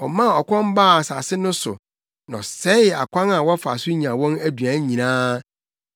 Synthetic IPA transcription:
wɔ˨mã˦˨ɔ˨kʰʷɔ̃˦m˦ba˦˨sa˨sɪ˦nʊ̃˦sʊ̰˨ | nã˨ɔ˨sɛ˦ɪ˨a̰˨kʷʰã˦na˨wɔ˦fa̰˨sʊ˦ɲ˨ã˨wɔ̃˦næ˦dɥã˨˦ɲĩ˨nãː˦

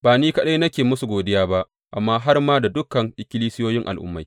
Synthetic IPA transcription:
baː˨niː˦kɐ˦ɗa˦jnɐ˦kʲeː˨mʊ˦su˨ɡʷoː˨dɪ˦jaː˦ba˦ʔ | ʔa̰˨mːaː˦ɦa˦rmaː˦da˨dʊ˦kɐ˨ŋʔɪ˨kʲɪ˦liː˦sɪ˦joː˦jɪ˦ŋʔa̰˨lʔʊ̰˦mːa˨j

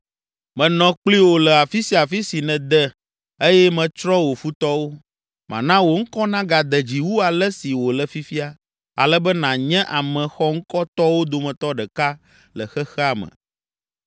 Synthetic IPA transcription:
mɛ̃˨nɔ̃˨k͡pli˦wo˨lɛ˨a˨fi˦si˦a˨fi˦si˨nɛ̃˨d̪ɛ˦ | e˦jɛ˦mɛ̃˨t͡ʃɾɔ˦wo˨fu˦t̪ɔ˦wo˦ | mʔã̰˨nã˦wo˨ŋ̩˦kɔ˦nã˦ɡa˨d̪ə˨d͡ʑi˨wu˦a˨lə˦si˨wo˨lə˨fi˦fi˦a˦ | a̰˨lə˦bə˦nã˨ɲɛ̃˦ʔa˨mɛ̃˨xɔ˦ŋ̩˦kɔ˦t̪ɔ˦wo˦d̪o˨mɛ̃˨t̪ɔ˦ɖɛ˨ka˦ | lə˨xɛ˦xɛ˦a˨mə̰̃˨

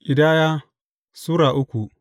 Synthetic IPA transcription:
ʔʲɪ˨daː˦jaː˦ | suː˦ɽaː˨ʔʊ˦kʷu˨

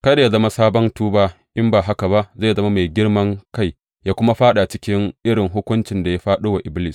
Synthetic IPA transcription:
kɐ˦da˨ja˦zɐ˦ma˦saː˦bɔ˦ntuː˦baː˦ | ʔɪ˦mbaː˨ɦa˦ka˨ba˦ʔza˦˨zɐ˦ma˦ma˨jɡʲɪ˦rmɐ˦ŋka˦˨j | jaː˦kʷʊ˦ma˦ɸaː˦ɗa˨t͡ʃɪ˦kʲɪ˦ŋʔɪ˦ɽɪ˨ŋɦʊ˦kʷʊ˦nt͡ʃɪ˨nda˨ja˦ɸaː˦ɗoː˦wa˨ʔɪ˨blɪ˦s

